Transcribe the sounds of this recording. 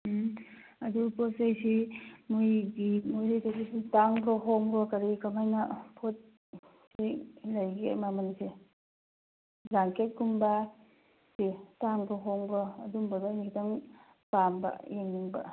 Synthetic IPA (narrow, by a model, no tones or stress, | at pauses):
ɐdupot̚sajsimujɡimojɾajtasisitaŋbɾɔɦɔŋɾɔkɐɾikamajnapʰot̚ | silajɡemamanisi | zaŋket̚ɡumba | sitaŋbɾɔɦɔŋbɾɔɐdumbɐdanikʰitaŋ | pambɐ̰jeŋniŋbɐ̰